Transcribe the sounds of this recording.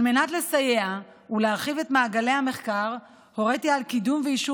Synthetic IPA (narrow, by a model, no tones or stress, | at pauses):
alme̞natle̞saje̞a | uleaʁχive̞tmaːɡale̞jhame̞χkaʁ | ho̞ʁet̪ialkidumveiʃu